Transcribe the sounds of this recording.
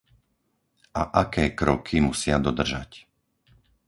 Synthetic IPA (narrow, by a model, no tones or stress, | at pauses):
ʔaʔakɛːkɾɔkʰimusɪad̪ɔd̪r̩ʒa̰c